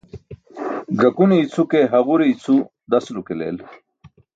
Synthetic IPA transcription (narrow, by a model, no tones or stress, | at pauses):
ɡɐkuneit͡sʰukeɦɐʁuɾeit͡sʰu | d̪ɐslukelḛːl